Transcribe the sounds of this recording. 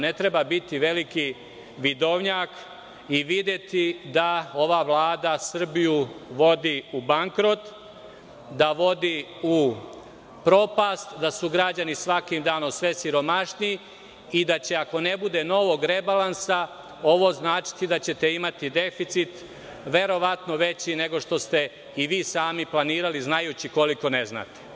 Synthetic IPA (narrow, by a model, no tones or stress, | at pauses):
ne̞t̪ɾe̞babit̪iʋe̞liki | ʋid̪o̞ʋɲaːk | iʋid̪je̞t̪id̪ao̞ʋaʋlˠaːd̪asr̩bijuʋo̞d̪iubaŋkɾo̞t̪ | d̪aʋo̞d̪iu | pɾo̞past̪d̪asuɡɾad͡ʑanisʋakimd̪aːno̞msʋe̞siɾo̞maʃnii | id̪at͡ɕe̞ako̞ne̞bud̪e̞no̞ʋo̞ɡɾe̞balˠansa | o̞ʋo̞znaːt͡ʃi̥t̪id̪at͡ɕe̞t̪e̞imat̪id̪e̞fit̪sit̪ | ʋe̞ɾo̞ʋat̪no̞ʋe̞t͡ɕine̞ɡo̞ʃt̪o̞st̪e̞ | iʋiːsaːmiplˠaniːɾaliznajuːt͡ɕiko̞liko̞ne̞zna̰t̪e̥